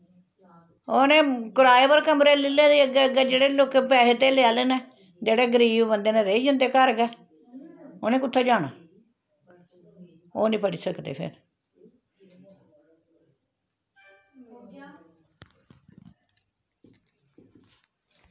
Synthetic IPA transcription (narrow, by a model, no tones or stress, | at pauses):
oːnẽːkʊɾaːeːpəɾkəmɾeːlɪlːẽːd̪iːəɡɛːəɡɛːd͡ʒeːɽeːloːkepɛːɦt̪eːlɪaːleːnɛː | d͡ʒeːɽeːɡəɾiːbbənd̪eːnẽːɾeiːd͡ʒənd̪eːkəɾɡɛː | oːnẽːkʊt̪ʰːeːd͡ʒaːna̰ː | oːnĩːpəɽiːsəkd̪ḛːpʰɪ̰ɾ